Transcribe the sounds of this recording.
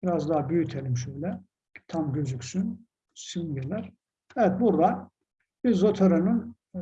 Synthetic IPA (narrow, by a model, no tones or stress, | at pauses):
biɾazd̪aɦbyjyt̪ʰelʲimʃøjlʲɛ | t̪ʰamɟøzyksyn | synɟelʲæɾ̥ | ɛvɛt̪̚buɾd̪a | b̥iɾzot̪ʰaɾanɯn